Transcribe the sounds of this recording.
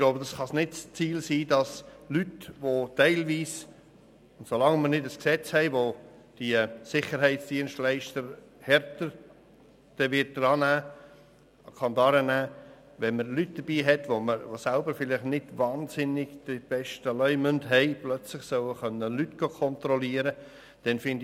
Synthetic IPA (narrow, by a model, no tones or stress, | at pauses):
ɪɡ̥lowbəd̥ɑsχɑsnɪtst͡siːlsiːdɑslytʋotɛɪlviːs | ʊntsolɑŋməɾnɪdəsksɛt͡shɛɪʋo | d̥iəsɪχəɾɦɛɪtsd̥iənʃtlɛɪʃtəɾ | hɛɾtəɾ | d̥ɛʋɪt̚dɾɑːnæː | kʰɑndɑːɾənæː | ʋɛnməɾlyt̚d̥əb̥iːɦɛtʋoməɾʋosælbəɾfɪlɪχnɪd̥vɑːnsɪnɪɡd̥ib̥ɛʃtəlœʏmʏndɦɛɪplœt͡slɪχsœʊəχœnːəlytɡ̥okʰɔntɾɔliəɾə | d̥ɛnfɪnd